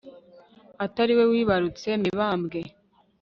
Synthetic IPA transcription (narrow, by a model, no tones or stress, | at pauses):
ataɾiwe̞wiːβaɾut͡se̞miβaːmbɡe̞